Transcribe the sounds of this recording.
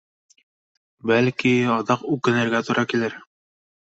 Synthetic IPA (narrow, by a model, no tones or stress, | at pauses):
bælkiɑd̪ɑqʉkːɘ̆nɘ̆ɾɡæt̪uɾʔɑkilɘɾ